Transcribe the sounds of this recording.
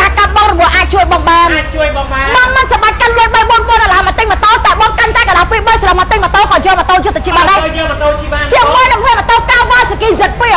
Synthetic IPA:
aː˧ka˧t̪̚ɓɑ˧ŋrɔ˨mu˧əhʔaː˧c̚t͡ɕuəjɓɑ˧ŋɓaː˧n̚t͡ɕuəjɓɑaːɓɑ˧ŋmənsɑ˩ɓa˧c̚ka˧nluəjɓə˧jɓuənɓu˧ənɗɑ˨laː˨mɔ˨t̪ɨŋ̚mə˨t̪o˧t̪a˧ɛɓɑ˧ŋka˧nkaː˧ka˨ɗaː˧piə˧ɓəjslə˧p̚mɔ˨t̪ɨŋ̚mə˨t̪oː˧kɑː˨˩jɔːmɔ˨t̪o˧jʊ˧t̪ʰːə˨t͡ɕi˧əɓaː˧˨ɗa˧ɔm˨t̪oɓant͡ɕiəŋmuəjɗa˨˩kʰmi˧ənmə˨t̪oː˧kaː˧wʋaː˧sə˨kiː˧zɨt̪̚pi˧

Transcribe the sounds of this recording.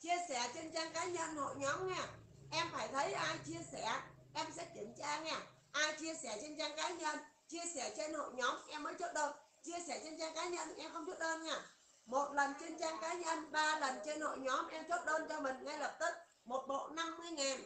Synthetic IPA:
t͡ɕi˧əsɛ˧˩t͡ɕe˧nt͡ɕaː˧ŋkaː˨˦ɲə̰˧˨nho̰˧˨jɲɔ˨˦mŋɛ˧˩ | ʔɛ˧mfaː˧˩jt̪ʰə˨˦jʔaː˧jt͡ɕi˧əsɛ˧˩ | ʔɛ˧msɛ̰˧˥ki˧˩ŋt͡ɕaː˧ŋɛː˧˩ | ʔaː˧jt͡ɕi˧əsɛ˧˩t͡ɕe˧nt͡ɕaː˧ŋkaː˨˦ɲə˧˨n | t͡ɕi˧əsɛ˧˩t͡ɕe˧nho̰˧˨jɲɔ˨˦mʔɛ˧mːəː˨˦jt͡ɕo˦˥t̚ɗəː˧n | t͡ɕi˧əsɛ˧˩t͡ɕe˧nt͡ɕaː˧ŋkaː˨˦ɲə̰˧˨nʔɛ˧mxə˧wŋ͡mt͡ɕu˦˥t̚ɗəː˧nŋɛ˧˩ | mo˨˩t̚lə˨˩nt͡ɕe˧nt͡ɕaː˧ŋkaː˨˦ɲə̰˧˨nɓaː˧lə˨˩nt͡ɕe˧nho̰˧˨jɲɔ˨˦mʔɛ˧mt͡ɕo˦˥t̚ɗəː˧nt͡ɕɔ˧mï˨˩ŋ̟ŋa˧jlə˨˩p̚t̪i˦˥k̚ | mo˨˩t̚ɓo̰˧˨na˧mːɨ˧əjŋaː˨˩n

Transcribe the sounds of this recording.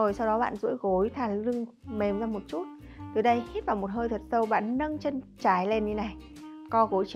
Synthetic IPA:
o˨˩jsa˧wɗɔ˨˦ɓa̰ː˧˨nzṵ˧˥əjɣo˨˦jt̪ʰaː˨˩lɨ˧ŋ | me˨˩mzaː˧mo˨˩t̚t͡ɕu˦˥t̚ | t̪ɨ˨˩ɗə˧jhi˦˥t̚vaː˨˩mo˨˩t̚həː˧jt̪ʰə˨˩t̚sə˧wɓa̰ː˧˨nnə˧ŋt͡ɕə˧nt͡ɕaː˨˩jle˧nɲi˧na˨˩j | kɔ˨˧ɣo˨˦jt͡ɕ

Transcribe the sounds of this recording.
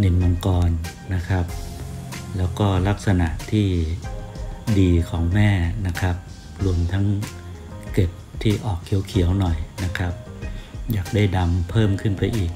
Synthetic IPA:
ne˧˩nmo˧ŋkɔː˧nː | a˦˥kʰɾa˦˥p̚ | lɛː˦˥wkɔː˥˩la˦˥k̚sa˧na˨˩ʔt̪ʰiː˥˩ | diː˧kʰɔː˩˦ŋmɛː˥˩na˦˥kʰa˦˥p̚ | ɾu˧əmt̪ʰa˦˥ŋ | ke˨˩p̚t̪ʰiː˥˩ʔɔː˨˩kʰːi˩˦wkʰi˨˩˦əwnɔ˨˩jna˦˥kʰɾa˦˥p̚jaː˨˩k̚da˥˩jda˧mpʰɤː˥˩mkʰɯ˥˩npa˧jʔiː˨˩k̚

